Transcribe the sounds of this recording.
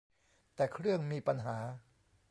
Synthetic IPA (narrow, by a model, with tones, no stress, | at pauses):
t̪ɛː˨˩kʰɾɯ˥˩əŋmiː˧pa˧nɦaː˩˦